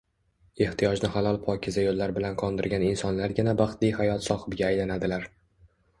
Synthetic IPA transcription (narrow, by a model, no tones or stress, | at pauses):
e̞ht̪ʰijɒd͡ʒnɪhalˠɒlˠpʰɒkʲʰɪzajolːaɾbɪlanqʰɒnd̪ɪɾɡʲanɪnsɒnlaɾɡʲɪnabɑχt̪lijhajɒt̪sɒhɪbɡʲaːjlanad̪ɪlaɾ